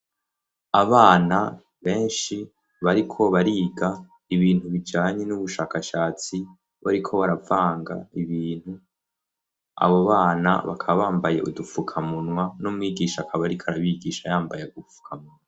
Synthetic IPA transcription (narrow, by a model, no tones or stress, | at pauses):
aβaːna | βe̞ːnʃi | βaɾikʰo̞βaɾiːɡa | iβiːn̥uβid͡ʒaːɲe̞nuβuʃaːkaʃaːt͡si | βaɾikʰo̞βaɾavaːŋɡa̰iβiːn̥hu | a̰βoβaːna̰βakʰaβaβaːmbaje̞̰ʔudufukʰamunŋwanumŋiːɡiːʃakʰaβaɾikʰaɾaβiːɡiːʃajaːmbajeɡufu̥kʰamunwa